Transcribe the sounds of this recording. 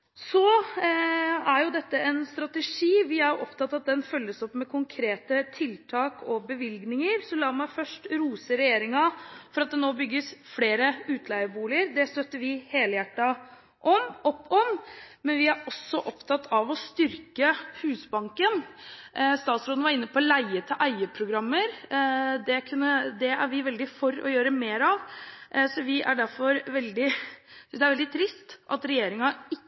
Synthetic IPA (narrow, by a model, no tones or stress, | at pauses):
sɔ | æɾjʊd̪ɛt̪ːəɛnst̪ɾɑt̪ɛʂiːʋɪæɾjʊʔɔpt̪ɑt̪ːɑt̪̚d̪ɛnfœlːəsɔpːmɛkʰʊŋkʰɾeːt̪ət̪ʰɪlt̪ʰɑːkʰɔbəʋɪlɡnɪŋəɾsɔlɑːmæɪfœʂʈɾuːsəɾɛjeːɾɪŋɑfɔɾɑt̪̚d̪ɛnoːbʏɡːəsfleːɾəʉːt̪ʰlæɪʋəbuːlɪəɾd̪ɛst̪œt̪ːəʋɪheːləjæʈːɑ | ʔɔmɔpːɔmmɛnʋɪæɾɔsːɔʔɔpt̪ʰɑt̪ʰːɑʋɔst̪ʏɾkəhʉːsbɑŋkən | st̪ɑːt̪sɾoːd̪nʋɑɾɪnːəpʰɔlæɪət̪ʰɪlʔæɪəpʰɾʊɡɾɑmːəɾd̪ɛkʰʉnːəd̪ɛæ̰ɾʋɪʋɛld̪ɪfɔɾɔ̰jøːɾəmeːɾɑʋsɔʋɪʔæ̰ɖæɾfɔɾʋɛld̪ɪsʏnsd̪ɛæɾɛld̪ɪt̪ʰɾɪst̪ʔɑ̰t̪ɾɛjeːɾɪŋɑɪ